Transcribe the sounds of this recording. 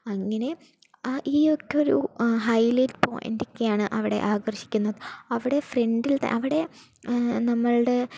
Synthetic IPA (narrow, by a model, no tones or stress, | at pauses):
ɐŋːɐne̞ | ʔiːo̞kːeo̞ɾṵɦɐjlɐjtpo̰ːjḭndikʲːejaːɳɨʔɐʋiɽe̞̰ʔaːɡɐrɕi̥kʲːunːɐðɨɐʋiɽe̞freɳɖilt̪ɐ̰ʔɐʋiɽe̞ | nɐmːɐɭɽe̞